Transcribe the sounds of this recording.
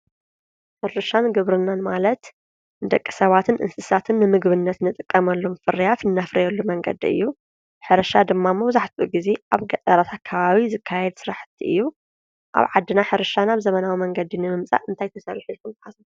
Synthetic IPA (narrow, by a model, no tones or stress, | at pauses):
ħɨɾɨʃanɡɨβɾɨnːanmalɐt̪ | ɨd̪ɐkʼːi̥sɐβat̪ʰɨnʔɨ̰nsɨsat̪ʰɨnːɨmɨɡβɨnːɐt̪nɨt̪ʼɨkʼːɐmɐlːo̞mfɨɾijat̪ɨnːafɾɐjɛlːumɐŋɡɐ̰d̪ḭɨ̰jːu | ħɨɾɐʃad̪ɨmːamːobɨzaħt̪ʰuʔuɡize̞ʔaβɡɐt̪ʼɐɾat̪ʰat̪̚kʰɐβaβizɨkʰːajɛd̪sɨɾaħɨ̥t̪ʰːiʔɨ̰jːu | ʔa̰βʕad̪ːɨnaħɨɾɨʃanaβzɐmɐnawimɐŋɡɐd̪inɨmɨmt͡sʼa̰ʔɨnt̪ʰajt̪ʰɐsɐlħilkʰunħazɐ